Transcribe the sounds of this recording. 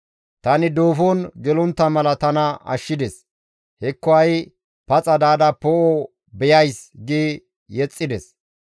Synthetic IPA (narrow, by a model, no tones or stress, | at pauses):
t̪ɐnɪd̪o̞ːfoːnɡɛlʊnt̪ːɐmɐlɐt̪ɐnɐɐ̰ʃːɪd̪ɛs | hɛkːɔɐj | pɐt͡sʼɐd̪aːd̪ɐpoʔo | bɛjɐjsɡi | jɛt͡sʼːɪd̪ɛs